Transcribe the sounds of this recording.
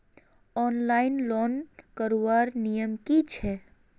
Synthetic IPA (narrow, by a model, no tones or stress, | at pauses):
ɔːnlaɪnlɔnkəɾowaɾnijəmkit͡ʃʰɛ